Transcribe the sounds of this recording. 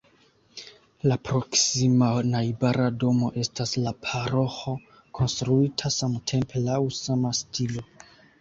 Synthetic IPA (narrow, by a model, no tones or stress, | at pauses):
lapɾo̞ksimanajbaɾado̞mo̞ʔe̞staslapʰaɾo̞xo̞ | kʰo̞nstɾuitʰasamtʰe̞mpʰe̞lawsamastʰilo̞